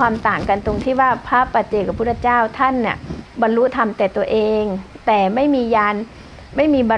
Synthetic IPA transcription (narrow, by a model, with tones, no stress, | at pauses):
waː˧mt̪aː˨˩ŋka˧nt̪o˧ŋt̪ʰiː˥˩waː˥˩pʰaː˦˥˩paː˨˩t̪̚t͡ɕeː˧˩kʰa˧˩pʰuː˦˥˩t͡ɕaː˥˩wt̪ʰa˥˩˨nːi˨˩bɔ˧nɾu˦˥t̪ʰa˧mt̪ɛː˨˩t̪u˧ɐəʔeː˧ŋt̪ɛː˨˩ma˥˩jmiː˧jaː˧n | ma˥˩jmiː˧bɔ˧